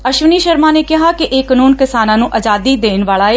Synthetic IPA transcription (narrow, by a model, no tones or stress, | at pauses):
əʃʋəniːʃəɾmãːneːkɪɦaːkiʔeːkənuːnkɪsaːnãːnũːʔəd͡ʒaːd̪iːd̪eːnʋaːlaːe